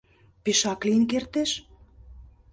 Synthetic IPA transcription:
peʃɑkliənkert̪eʃ

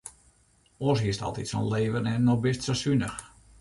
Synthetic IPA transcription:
ɔsɦiəstɑ̰lˠtitso̰nleːvənɛnːɔxbɪstsosynəx

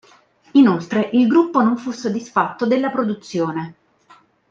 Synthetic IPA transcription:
inolt̪ɾeʔilɡɾupːonoɱfusːod̪ːisfat̪ːod̪elːapɾod̪ut̪sːjoːne

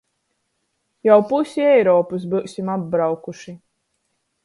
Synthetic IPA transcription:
jawpusʲiɛjɾɔːpus̬bɨwsʲimab̚bɾawkuʃi

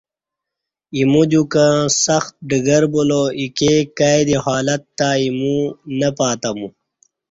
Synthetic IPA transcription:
imud͡ʑukãsɐxt̪̚ɖiɡɐɾboloikekajd̪ehaːlɐt̪ːaimũnɐpaːt̪ɐmu

